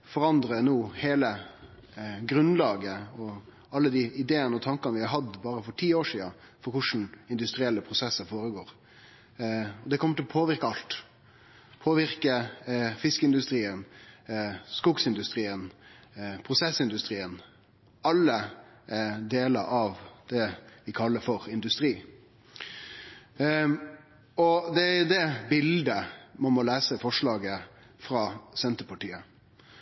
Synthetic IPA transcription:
fɔɾɑnd̪ɾənuːheːlə | ɡɾʉnlɑːɡəɔ | ɑlːəd̪ɪɪd̪eːənəɔt̪ʰɑŋkənəʋɪhɑɾɦɑd̪bɑːɾəfɔʈʰiːoːʂiːɑfɔɾkʊʂn̩ɪnd̪ʉst̪ɾɪɛlːəpʰɾʊsɛsəfoːɾəɡoːɾ | ɔd̪ɛkʰɔməʈ̪ɪlɔpʰoːʋɪɾkəɑlt̪ | pʰoːʋɪʁkəfɪskəɪnd̪ʉst̪ɾiːən | skʊɡsɪnd̪ʉst̪ɾiːən | pʰɾʊsɛsɪnd̪ʉst̪ɾiːən | ɑlːə | d̪eːlə̰ɾɑʋd̪̥ɛʋɪkʰɑlːəfɔɾɪnd̪ʉst̪ɾiː | ɔd̪ɛæd̪ɛbɪld̪əmɔmɔlæːsəfɔʂɭɑːɡə | fɾɑːsɛnt̪əpɑʈiːə

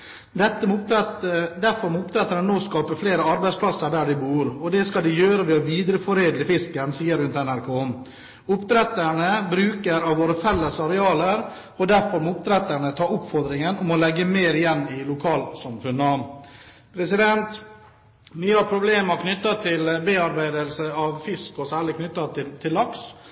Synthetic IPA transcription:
d̪ɛt̪ːəmː | d̪æɾfɔɾmuːtpt̪ʰɾɛt̪ːəɳənoːskɑːpəɾfleːɾəɑɾbæɪspʰlɑsəɖæːɖɪbuːɾɔd̪ɛskɑld̪ɛjøːɾəʋɛɔʋiːd̪ɾəfɔɾeːd̪ləfɪskənsiːəɾʉnt̪ɛnæɾkʰoː | ʊpt̪ɾɛt̪əɳəbɾʉːkəɾɑʋʋoːɾəfɛlːəsɑɾɛɑːləɾ | ɔd̪æɾfɔɾmɔʊp̚t̪ʰɾɛt̪əɳət̪ʰɑːʊpfɔɾd̪ɾɪŋənɔmɔlɛɡːəmeːɾɪjɛnːɪlʊkʰɑːlsɑmfʉnə | pʰɾɛsɪd̪ɛnt̪ | ʋiːhɑɾpʰɾʊbleːmɑɾknʏt̪ːɑt̪ʰɪlbeːɑɾbæɪd̪əlsəɑʋfɪskɔsæːɭɪkʰnʏt̪ːɑt̪ʰɪt̪ʰɪlːɑks

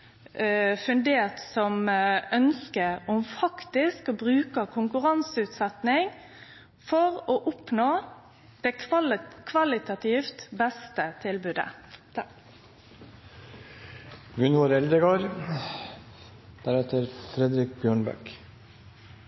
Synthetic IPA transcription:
fʉnd̪eːʁt̪sɔmœnskəɔmfɑkt̪ɪskɔbɾʉːkəkʰʊŋkʉʁɑnsʉːt̪sɛt̪nɪŋ | fɔʁoːʔʊpnoː | d̪̥ɛkʰʋɑlɪt̪ɑt̪ʰɪft̪bɛst̪ət̪ʰɪlbʉːd̪ə̰ | ɡʉnʋoːɾɛld̪əɡoːɾ | d̪̥æɾɛt̪əɾfɾɛd̪ɾɪk̚bjøːɳbæ̰k

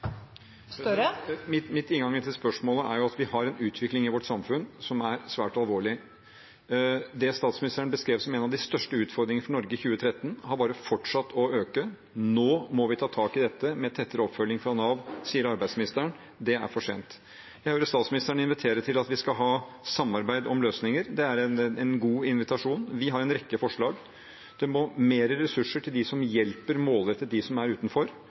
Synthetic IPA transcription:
mɪt̪mɪt̪ɪnɡɑŋːət̪ʰɪlspœʂmoːləʔæ̰ɾjʊɑt̪ʋɪhɑɾɛnʉːt̪ʰʋɪklɪŋɪʋɔʈsɑmfʉnsɔmæɾsʋæːʈɑlʋoːɭɪ | d̪ɛst̪ɑːt̪smɪnɪst̪əɳbəskɾeːʋsɔmeːnɑʋd̪ɪst̪œʂʈəʉːt̪fɔɾd̪ɾɪŋnəfɔnɔɾɡəçʉːət̪ʰɾɛt̪ːənhɑɾbɑːɾəfɔʈʂɑt̪ːɔøːkə | noːmɔʋɪt̪ʰɑːt̪ʰɑːkɪd̪ɛt̪ːəmɛt̪ʰɛt̪ːəɾəɔpːfœlːɪŋfɾɑnɑːʋsiːəɾɑɾbæɪsmɪnɪst̪əɳ | d̪ɛæ̰ɾfɔʂḛːnt̪ | jæɪhøːɾəst̪ɑːt̪smɪnɪst̪əɳəɪnʋɪt̪ʰeːɾəʈʰɪlɑt̪ʋɪskɑɦɑː | sɑmːɑɾbæɪd̪ɔmløːsnɪŋəɾd̪ɛæɾɛnɛnɡuːɪnʋɪt̪ɑʂuːnʋɪɦɑɾɛnɾɛkːəfɔʂɭɑːɡ | d̪̥ɛmɔmeːɾəɾɛsʉʂəʈʰɪld̪ɪsɔmjɛlpəɾmoːlɾɛt̪ːət̪̚d̪ɪsɔmæɾʉːt̪n̩fɔɾ

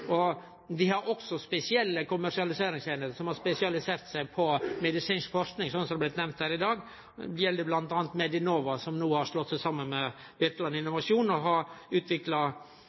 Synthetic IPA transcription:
ɔ | d̪ɪhɑɾʔɔksɔspɛsɪɛlːəkʊmːæɾʂɪɑlɪseːɾɪŋsæɪnəɾəsɔmhɑɾspɛsɪɑlɪseːɾt̪sæɪpʰɔmɛd̪ɪsiːnskfɔɾknɪŋsɔnsɔblɪt̪nɛmnt̪hæːɾɪd̪ɑːɡ̪ | jɛld̪əblɑnt̪ɑːnt̪mɛd̪ɪnoːʋɑsɔmnuːhɑɾʂlɔt̪ːsæɪsɑmːənmɛ | bɪt̪lɑnɪnːʊʋɑʂuːnɔɦɑɾʉːt̪ʰʋɪklɑ

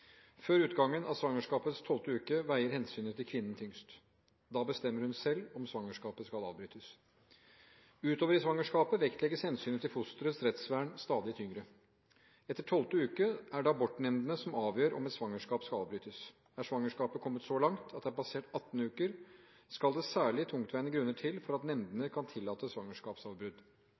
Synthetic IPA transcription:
føːɾʉːt̪ɡɑŋːənɑ̰ʋsʋɑŋəʂkɑːpət̪st̪ʰɔlt̪əʉːkəʋæɪəɾhɛnsyːnət̪ʰɪlkʰʋɪnːənt̪ʰʏŋst̪ | d̪ɑːbəst̪ɛmːəɾhʉnsɛlːɔmsʋɑŋːəʂkɑːpəskɑlɑ̰ːʋbɾyːt̪əs | ʉːt̪oːʋəɾɪsʋɑŋəʂkɑːpəʋɛkt̪lɛɡəshɛnsyːnət̪ɪlfʊst̪əɾəsɾɛt̪sʋæːɳst̪ɑːd̪ɪt̪ʰʏŋɾə | ɛt̪ːəʈʰɔlt̪əʉːkəæɖɛɑbɔʈ̪nɛmnd̪ənəsɔmɑːʋjøːɾɔ̰mɛt̪sʋɑŋːəʂkɑːpskɑlɑːʋbɾyːt̪əs | æʂʋɑŋːəʂkɑːpəkʰɔmːət̪sɔlɑŋt̪ʰɑt̪̚d̪ɛæɾbɑseːʈɑt̪ːn̩ʉːkəɾ | skɑld̪ɛsæːɭɪt̪ʰʊŋkt̪ʰʋæɪnəɡɾʉnːəʈʰɪlfɔɾɑt̪nɛnd̪ənəkʰɑnt̪ʰɪlːɑːt̪əsʋɑŋəʂkɑːpsɑːʋbɾʉd̪

